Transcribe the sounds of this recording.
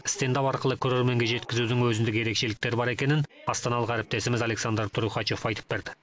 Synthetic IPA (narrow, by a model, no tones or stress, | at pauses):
st̪e̞nd̪ɑpɑɾqəlˠəkʲʰɵɾe̞ɾme̞ŋɡʲe̞ʒe̞t̪kʲɪzud̪ɪŋwɵzɪnd̪ɪkʲje̞ɾe̞kʃe̞lɪk̚t̪e̞ɾbɑɾe̞kʲe̞nɪnɑst̪ɑnɑlˠəqæɾɪp̚t̪e̞sɪmɪzɑle̞ksand̪ɾt̪ʰʊɾuχɑt͡ʃo̞fɑjt̪ə̥p̚beɾd̪ɪ̥